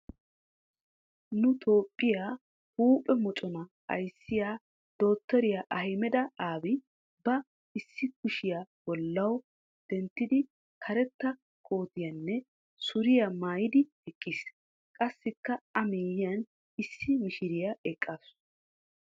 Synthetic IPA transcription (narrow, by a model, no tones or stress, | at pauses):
nʊt̪ʰo̞ːpʼːɪjaː | huːpʼɛmɔt͡ʃʼɔnɐ | ɐ̰jsːɪjaː | d̪̥o̞ːt̪ːɔɾɪjaʔɐhjmɛd̪ɐaːbɪ | bɐ | ɪsːɪkʊʃɪjab̥ɔlːɐw | d̪̥ɛnt̪ːɪd̪ɪ | kʰɐɾɛt̪ːɐ | kʰʼo̞ːt̪ɪjɐnːɛ | sʊɾɪjamaːjɪd̪ɪ | ɛkʼːiːs | kʼɐsːɪkːɐɐmeːjɪjɐn | ɪsːɪmɪʃɪɾɪjaɛkʼːaːs